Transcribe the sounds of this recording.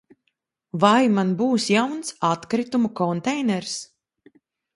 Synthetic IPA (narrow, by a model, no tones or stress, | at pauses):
vajmanbuːsjawnsat̪kɾit̪umukɔnt̪ɛjnɛɾs